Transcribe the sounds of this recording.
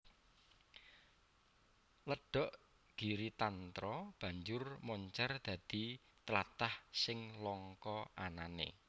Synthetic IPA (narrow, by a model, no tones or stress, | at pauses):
ləɖ̥ɔ̤ʔ | ɡ̥i̤ɾit̪ant̪ɾɔb̥ä̤ɲd͡ʒʊrmɔɲt͡ʃɛrd̪̥ä̤d̪̥i̤ | t̪əlat̪ahsɪŋlɔŋkɔʔananḛ